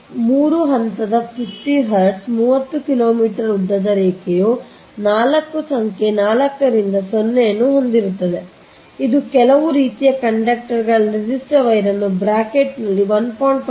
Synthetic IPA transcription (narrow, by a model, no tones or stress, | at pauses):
muːɾuɦɐnt̪ɐd̪ɐpʰifʈiɦɐɾɖsmuːʋɐt̪ːukilo̞ːmiːʈɐɾɾud̪ːɐd̪ɐɾeːkɛjoː | naːlɐkːusɐŋke̞naːlɐkːɐɾind̪ɐsonːejɐnːuɦo̞nd̪iɾut̪ːɐd̪e̞ | id̪ukɛlɐʋuɾiːt̪ijɐkɐɳɖɐk̚ʈɐɾɡɐɭɐɾid͡ʒisʈɐʋɐjɾɐnːubɾaːkeʈnɐlːiʋɐnpʰɐːɳɖp